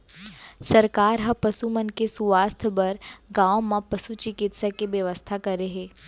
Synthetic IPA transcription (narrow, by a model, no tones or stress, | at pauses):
sɐɾkaːɾɦɐpəsumənkesuʋaːst̪ʰbəɾɡãːomãpəsut͡ʃɪkɪt̪sakiʋjəʋəst̪ʰakɐɾeɦeː